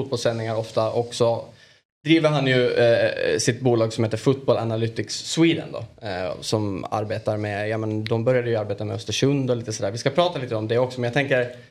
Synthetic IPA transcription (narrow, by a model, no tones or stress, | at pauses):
uːt̪bɔlsɛnːɪŋaɾɔft̪aʔɔksɔ | d̪̥ɾiːvəɾɦanjɵ | sɪt̪buːlɑːɡsɔmheːt̪əɾfʊt̪̚bɔlʔanalyːt̪ɪksːwiːd̪ə̰nd̪ɔ̰sɔma̰ɾbeːt̪aɾmɛjɑːmɛnd̪ɔmbœɾjad̪əjɵaɾbeːt̪amɛ̰œst̪əʂɵnd̪ɔliːt̪əsɔd̪æːɾvɪskapʰɾɑːt̪aliːt̪əɔmd̪ɛɔksɔmɛnjaɡt̪ʰɛŋkəɾ